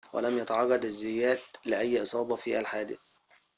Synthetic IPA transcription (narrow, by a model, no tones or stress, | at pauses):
wæ̰læmjæt̪aʕɑɣːɑd̪azːɪjæːd̪lɪʔæjːʔɨsˤɑːbɑfiːʔælħaːd̪ɪ̰θ